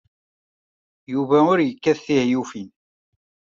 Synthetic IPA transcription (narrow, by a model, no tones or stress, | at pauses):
juvæʊɾjəkːæθθihjufin